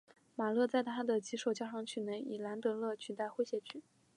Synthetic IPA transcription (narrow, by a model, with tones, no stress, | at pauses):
ma˨˩lɤ˥˧t͡sa˥˩ɪt̪ʰa˥d̪ə˨t͡ɕi˧˥ʂo˨˩ʊt͡ɕja˥ʂɑ˧˥˩ŋt͡ɕʰy˨˩ne˧˥ɪʔi˨˩la˧˥nt̪ɤ˧˥lɤ˥˩t͡ɕʰy˨˩t̪a˥˩ɪxwe˥ɪɕjɛ˧˥t͡ɕʰy˥˩